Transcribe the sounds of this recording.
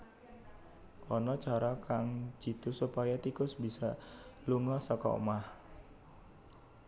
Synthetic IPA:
ɔnɔt͡ʃaɾɔkaŋ̥d͡ʒ̥i̤t̪usupajat̪ikʊsbisaluŋɔsɔkɔ̰ṵmah

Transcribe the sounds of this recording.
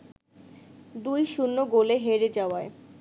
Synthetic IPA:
d̪ujʃunːoɡoleɦeɾed͡ʑaoae

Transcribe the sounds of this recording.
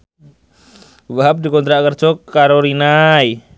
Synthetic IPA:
waɦap̚dikɔnt̪ɾakərt͡ʃɔkːaɾoɾinai

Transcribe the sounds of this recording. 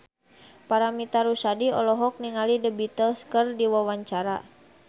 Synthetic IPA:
paɾamit̪aɾusadiɔlɔɦɔk̚niŋalidəbit̪əlskərdiwawaɲt͡ʃaɾa

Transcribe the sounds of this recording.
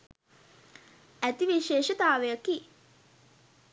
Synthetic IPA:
æt̪iʋiʃeːʃɐt̪aːʋejɐki

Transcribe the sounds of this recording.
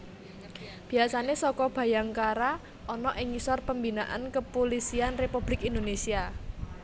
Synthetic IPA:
b̥i̤asanesɔkɔb̥ä̤jaŋkaɾa | ɔnɔʔɪŋisɔrpəmbinaʔa̰nkəpolisianrepub̥lɪkind̪onesia

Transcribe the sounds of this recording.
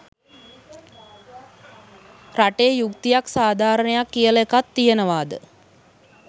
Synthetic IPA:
raʈejukt̪ijaksaːd̪ʱaːɾənəjakːijəlekat̪ːijənəʋaːd̪ə̰

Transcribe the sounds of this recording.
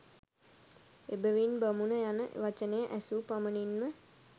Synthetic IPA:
ebəʋinbamunəjanəʔʋat͡ʃənəjəʔæsupaməninmə

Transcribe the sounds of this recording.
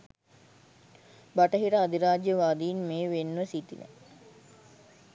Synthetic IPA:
baʈəɦiʈəad̪iɾaːd͡ʒjəʋaːd̪iːnmeːʋenːʋəsit̪ḭnɛ̰

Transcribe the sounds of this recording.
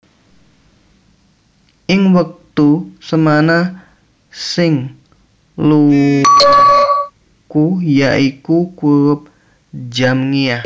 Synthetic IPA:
ʔɪŋwak̚t̪usəmana | sɪŋ | lu | kujaʔikukuɾʊp̚ | d͡ʒamŋia

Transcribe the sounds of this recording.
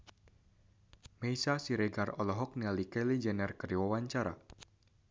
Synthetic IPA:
mejsasiɾɛɡarɔlɔɦɔk̚nialikɛlid͡ʒɛnɛrkəriwawaɲt͡ʃaɾa̰

